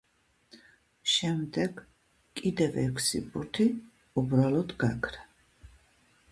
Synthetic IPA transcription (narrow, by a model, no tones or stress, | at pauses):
ʃɛmd̪ɛɡ | kʼid̪ɛvɛ̰kʰsḭpʼuɾt̪ʰi | ubɾalɔd̪ɡakʰɾa